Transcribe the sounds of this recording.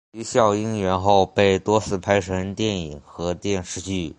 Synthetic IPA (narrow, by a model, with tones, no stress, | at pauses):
y˧˥ɕjɑ˥˩ʊi˥ŋɥɛ˧˥nxo˥˩ʊpe˥˩ɪt̪wɔ˥t͡sʰɹ̩˥˩pʰa˥ɪʂʰə˧˥nt̪jɛ˥˩ni˨˩ŋxɤ˧˥t̪jɛ˥˧nʂɻ̩˥˧t͡ɕy˥˩